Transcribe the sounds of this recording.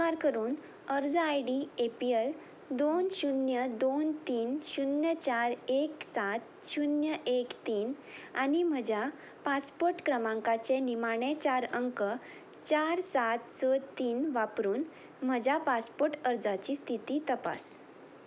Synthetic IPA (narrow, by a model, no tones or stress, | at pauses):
aɾkəɾuːn | əɾd͡zajɖiepiel | d̪onɕunjəd̪ont̪iːnɕunjət͡ɕaɾeksat̪ɕunjəʔekt̪iːn | a̰nim̤əd͡ʑja | paspoɾʈkɾəmãŋkat͡senimaɽ̃ɛt͡ɕaɾəŋkə | t͡ɕaɾsat̪sət̪iːnʋapɾuːn | m̤əd͡ʑapaspoɾʈəɾd͡zat͡ɕist̪ʰit̪iːt̪əpa̰s